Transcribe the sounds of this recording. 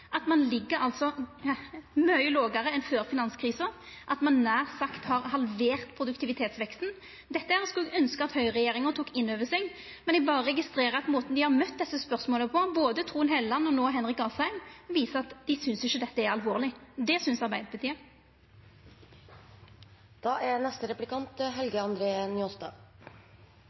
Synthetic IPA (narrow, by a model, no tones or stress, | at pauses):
ʔɑt̪mɑnlɪɡːəɾɑlt̪sɔ | mœʏloːɡɑɾəɛnføːɾfɪnɑnskʰɾiːsə | ʔɑt̪mɑnːæːʁsɑkt̪hɑʁhɑlʋeːʁt̪pʰʁʊd̪ʉkt̪ʰɪʋɪt̪ʰeːt̪sʋɛkst̪n̩ | d̪ɛt̪ːəhæːʁskʉlɛɡœnskəɑt̪hœʏʁɛjeːɾɪŋət̪ʰuːkɪnːøːʋəsɛɡ | mɛnɪbɑːʁəʁɛɡɪst̪ɾeːɾəɑt̪moːt̪n̩d̪ɪhɑʁmœt̪ːd̪ɛsːəspœʁsmoːləpʰɔboːd̪ət̪ʰʁuːənheːləlɑnːəɔnoːɦɛnʁɪkːɑsæɪmʋiːsəɑt̪d̪ɪsʏnsɪçəd̪ɛt̪ːəæɾɑlʋoːʁlɪd̪ɛsʏnsɑʁbæɪd̪əpʰət̪ʰiːə | d̪̥ɑːʔænɛst̪əɾɛplɪkʰɑnt̪ɦɛlɡəɑnd̪ɾeːənʏost̪ɑ̰ː